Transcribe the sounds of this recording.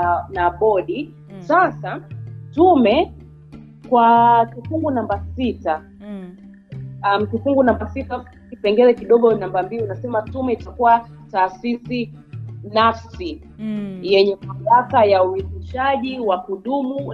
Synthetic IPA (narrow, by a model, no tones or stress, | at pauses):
naɓɔɗi | sasatumɛ | kwatufuŋɡunambasita | am̩tufuŋɡunambasita | kipɛŋɡɛɾɛkiɗɔɠɔnambambiiunasɛmatumɛitakuwa | taːsisi | nafsi | jɛɲɛmamlakajauikiʃaʄiwakuɗumu